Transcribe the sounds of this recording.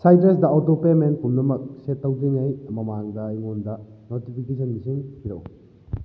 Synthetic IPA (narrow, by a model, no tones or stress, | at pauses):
sajtɾesdɐotopemen̚pumnɐmɐk̚setːɐwziŋɐjmɐmaŋdɐːjŋondɐnotipʰikesɐnmisiŋpiɾɐw